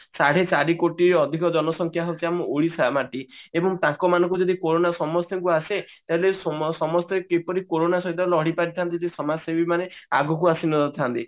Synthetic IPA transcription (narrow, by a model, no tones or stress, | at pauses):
saɽ̤et͡ʃaɾikoʈiɾɔd̪ʱikɔd͡ʒɔnɔsɔŋkʰjaɦɔt͡ʃʰiamuʔoɭisamaʈiebɔŋt̪ãkɔmanɔ̃ŋkud͡ʒɔd̪ʱikoɾonasɔmɔst̪ʰjɔŋkuaset̪aɦelesɔmɔst̪ekepɔɾikoɾonasɔɦit̪ɔlɔɽipaɾit̪ʰant̪̬iisɔmasebimanea̰ɡʱɔk̬uasinɔd̪ɔt̪ʰant̪i